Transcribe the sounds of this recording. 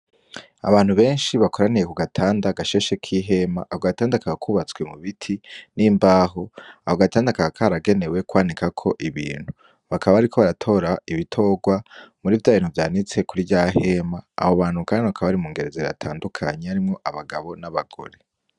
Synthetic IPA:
a̰βaːn̥huβe̞ːnʃiβako̞ɾanijekuɡatʰaːndaɡaʃe̞ːʃekʰiɦe̞ma̰ʔahoɡataːndakaɡakʰuːβat͡swe̞muβitʰiniːmbaːɦo̞ahoɡataːndakaakʰaɾaɡe̞ne̞we̞kwaːnikakʰo̞ʔiβḭːn̥hu | βakaβaβaɾikʰo̞βaɾatʰo̞ːɾaiβitʰo̞ɡwamuɾiːvjaːiːnhuvjaːnit͡se̞kuɾiɟaɦe̞ma̰ːhoβaːn̥hukaːnnakaβaɾimuːŋɡe̞ɾe̞zea̰tʰaːndukʰaɲeaɾimŋo̞ʔaβaɡaβo̞naβaɡ̥o̞̰ɾe

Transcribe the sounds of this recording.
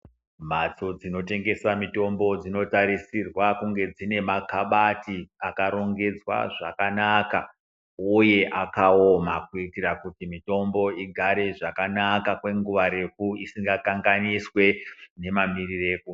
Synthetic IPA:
mat͡sod͡zino̞te̞ŋɡe̞samito̞mbo̞d͡zino̞taɾisirwakuŋɡe̞d͡zine̞makaɓatiakaɾo̞ŋɡe̞d͡zwa̰ʐakanaka | uje̞ʔakaomakuitirakutimito̞mbo̞iɡʱaɾe̞ʐakanakakwe̞ŋɡuʋaɾe̞kuisiŋɡakaŋɡaniswe̞ne̞mamirireku

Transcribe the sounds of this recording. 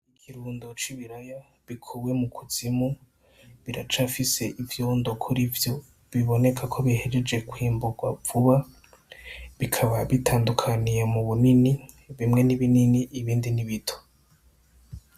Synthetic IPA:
ikʰiɾuːndot͡ʃiβiɾaja | βikʰuwe̞mukʰuz̥imu | βiɾat͡ʃafise̞ʔivjoːndo̞kʰuɾivjo̞ | βiβo̞ne̞kʰakʰo̞βihe̞d͡ʒed͡ʒe̞kwiːmbuɡwavuβa | βikʰaβaβitʰaːndukʰanijemuβunini | βimŋe̞niβininiʔiβiːndiniβitʰo̥

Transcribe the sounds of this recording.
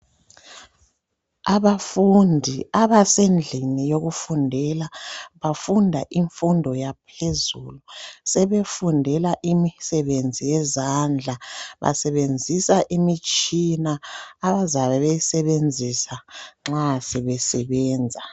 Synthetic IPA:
aβafundʱiaβasend͡ɮʱinijoɣufundʱɛlaβafundʱaʔiɱfundʱɔjapʰezulusɛβefundʱɛlaʔimisɛβend͡zʱijɛzand͡ɮʱaβa̰sɛβend͡zʱisaʔimit͡ʃʼinaːβazaβɛβejisɛβend͡zʱisaŋ͡ǁasɛβɛsɛβɛːnd͡zʱa

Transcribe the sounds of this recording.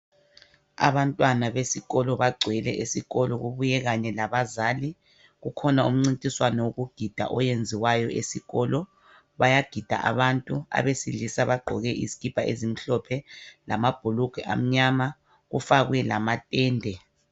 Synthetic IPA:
a̰βantʼwanaβesiɣɔlɔβaɡ͡ǀʱwɛlɛ̰ʔesiɣɔlɔɣuβujɛɣaɲɛlaβazaːli | ɣukʰɔnaṵm̩ŋ͡ǀintʼiswanɔwoɣuɡ̥ʱid̥ʱa̰ʔɔjend͡zʱiwajɔesiɣɔlɔ | βajaɡ̥ʱid̥ʱa̰ʔa̰βantʼua̰βesilisaβaɡ͡ǃʱɔɣɛʔizikʼib̥ʱaʔḛzim̩ɬɔpʰɛlamab̥ʱuluɡ̥ʱɛʔa̰m̩ɲama | ɣufaɣwɛlamatʼɛːndʱɛ

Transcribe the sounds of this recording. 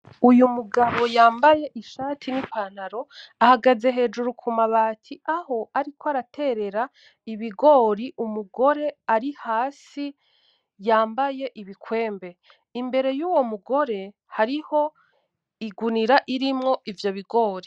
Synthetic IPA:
ujumuɡaβo̞jaːmbaje̞ʔiʃaːtʰinipan̥aɾo̞ahaɡaze̞ɦe̞ːd͡ʒuɾukʰumaβaːtʰiaho̞aɾikoaɾatʰe̞ɾe̞ɾa | iβiɡo̞ːɾiʔumuɡo̞ɾe̞aɾihaːsi | jaːmbaje̞ʔiβikʰwe̞ːmbe̞ | imbe̞ɾe̞juːwo̞muɡo̞ɾe̞ | haɾiho̞ | iɡuniɾaʔiɾimŋo̞ʔivjoβiɡo̞ːɾi

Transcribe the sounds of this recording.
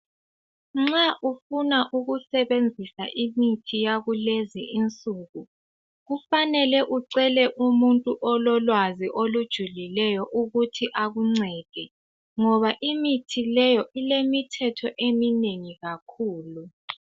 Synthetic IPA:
ŋ͡ǁaʔufunaʔuɣusɛβend͡zʱisaʔimitʰijaɣuleziint͡sʼuɣu | ɣufanɛlɛʔuǀɛlɛʔumuntʼuʔɔlɔlwaziʔolud̥ʒ̥ʱulilɛjɔʔuɣutʰiʔaɣuŋ͡ǀɛːd̥ʱɛ | ŋɔβaʔimitʰilɛjɔʔilemitʰɛtʰɔʔemineŋiɣakʰuːlu

